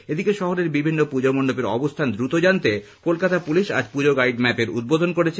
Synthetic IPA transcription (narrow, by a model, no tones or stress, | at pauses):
ed̪ikeʃɔɦoɾeɾbibʱinːopud͡ʑomonːopeɾɔ̰bost̪ʰand̪ɾut̪od͡ʑant̪ekolkat̪apuliʃa̰d͡ʑpud͡ʑoɡajiɖmɛpeɾṵd̪̚bod̪ʱonkoɾet͡ɕʰe